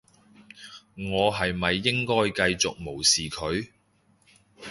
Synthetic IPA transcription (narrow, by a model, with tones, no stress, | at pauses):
ŋɔː˨˧ɦɐ˨jmɐ˨jːɪ˥ŋkɔː˥jkɐ˧jt͡sʊ̰˨k̚mo˨˩wsiː˨kʰɵ˨˧ɥ